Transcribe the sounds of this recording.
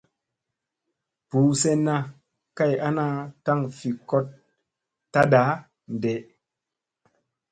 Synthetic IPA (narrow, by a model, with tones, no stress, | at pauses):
puː˨˦se˦nːa˦ | ka˦˨ja˦na˦ta˦ŋfi˨ko˦t̚ː | a˦da˨˦ | n˨de˨ʔ